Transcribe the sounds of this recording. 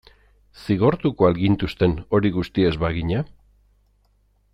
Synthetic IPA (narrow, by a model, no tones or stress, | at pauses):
siɣ̞o̞ɾt̪ukoalɡint̪ust̪e̞no̞ɾiɣust̪ie̞zβaɣiɲa